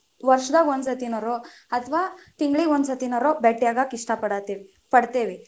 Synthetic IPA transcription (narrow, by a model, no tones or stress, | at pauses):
ʋɐɾʂd̪aːɡond̪sɐt̪inɐɾo | ɐt̪ʰɐʋaːt̪iŋɡɭiond̪sɐt̪inɐɾobeʈːjaːɡaːkiʂʈapɐɽat̪eʋi | pɐɽt̪eːʋi